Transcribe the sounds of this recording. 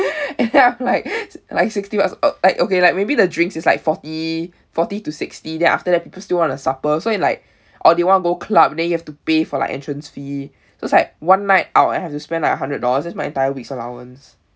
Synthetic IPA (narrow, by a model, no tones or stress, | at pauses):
ɛ̃nɛ̃nãmlaɪk̚laɪksɪkstiwasolaɪkokelaɪk̚mebidədɹĩŋksɪslaɪkfɔti | fɔtitusɪkstidɛ̃nʔa̰ftədɛt̚pipəl̩stilwɔ̃ntusapəsoɛ̃nlaɪk̚ | ʔɔldewɔ̃ntəɡokʰlabɛ̃ndɛ̃njuhɛftupefɔla̰ɪkʔɛ̰̃ntɹə̃nsfi | soɪslaɪk̚wãnːaɪta̰ʊtã̰nhɛftuspɛ̃ndlaɪkəɦãndɹət̚dɔləsdɛtsmaɪɛ̃ntaɪəwiksəla̰wə̰̃ns